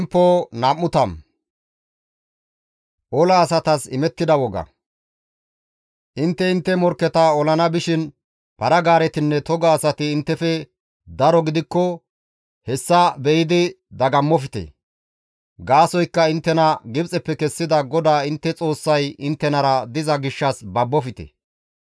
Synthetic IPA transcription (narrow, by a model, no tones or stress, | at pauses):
mpːoːnɐmːʊt̪ɐm | ʔɔlɐːsɐt̪ɐsɪmɛt̪ːɪd̪ɐwɔɡɐ̰ | ʔɪnt̪ːɛɪnt̪ːɛmɔɾkːɛt̪ɐɔlɐnɐbɪʃɪn | pɐɾɐɡaːɾɛt̪ɪnːɛt̪ɔɡaːsɐt̪ɪːnt̪ːɛfɛ | d̪ɐɾɔɡɪd̪ɪkːɔ | hɛsːɐbɛjɪd̪ɪ | d̪ɐɡɐmːɔfɪt̪ḛ | ɡaːsɔjkːɐɪnt̪ːɛnɐɡɪbt͡sʼɛpːɛkɛsːɪd̪ɐɡɔd̪aːɪnt̪ːɛt͡sʼo̞ːsːɐjɪnt̪ːɛnɐɾɐd̪ɪzɐɡɪʃːɐsbɐbːɔfɪt̪ḛ